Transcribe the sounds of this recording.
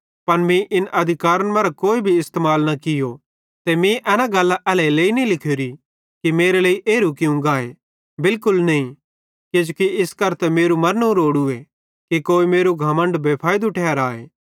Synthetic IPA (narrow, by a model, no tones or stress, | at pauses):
pɐnmĩʔɪnʔɐd̪ʱɪkaːɾənmɐ̃ːɾakoːibʱiɪst̪eːmaːlnakɪjo | t̪emĩʔɛːnaɡɐlːaʔɛːleleːinĩlɪkʰeːɾi | kimeːɾeleːiʔeːɾukɪũɡaːe | bɪlkʊlnɐĩ | ked͡ʒokiɪskɐɾt̪ɛmeːɾumɐɾnũɾoːɽue | kekoːimeːɾuɡʱɐmə̃ɳɖbeːpʰaːɪd̪uʈʰɛːɾaːḛː